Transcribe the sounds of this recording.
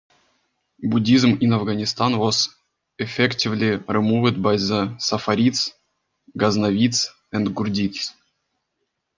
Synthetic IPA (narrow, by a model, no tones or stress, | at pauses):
budʲizminavɡanʲist̪anvos | ɛfʲɛktʲivlʲirɨmuvɨt̪bajzəsafaɾʲit̪s | ɡaznavʲit̪s | ɛnd̪ɡurdʲit̪s